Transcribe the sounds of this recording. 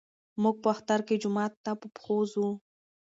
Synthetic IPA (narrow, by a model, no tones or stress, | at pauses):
muɡ̚pəaxt̪aɾked͡ʒʊmɑt̪ːapəpxozu